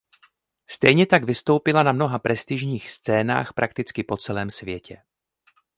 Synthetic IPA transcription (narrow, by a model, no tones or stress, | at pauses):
st̪ɛjɲɛt̪aɡvɪst̪o̞wpɪlanamno̞ɦapɾɛst̪ɪʒɲiːxst͡sɛːna̰ːxpɾʔakt̪ɪt͡skɪpo̞t͡sɛlɛːmsvjɛcʰɛ̰